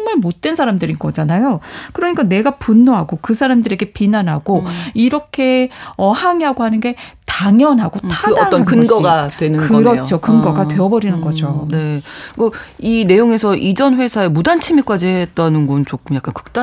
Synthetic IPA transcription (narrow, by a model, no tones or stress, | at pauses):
ŋmɯɭmot̚t͈we̞nsʰaɾamdɯɾinɡʌd͡ʑanajokɯɾʌɲik͈ane̞ɡapunːoɦaɡokɯsʰaɾamdɯɾe̞ɡe̞pinanɦaɡoiɾʌkʰe̞ʌhaŋiaɡoɦanɯnɡe̞taŋjʌnɦaɡotʰadnʌnkɯnɡʌɡatwenɯɡɯɾʌt͡ɕʰokɯnɡʌɡatwe̞ʌbʌɾinɯnɡʌd͡ʑone̞kʌine̞joŋe̞sʰʌʔid͡ʑʌnɸwe̞sʰaemudant͡ɕʰimik͈ad͡ʑiɦet̚t͈anɯnɡʌnt͡ɕokʰɯmjak͈ankɯ̥k̚t͈a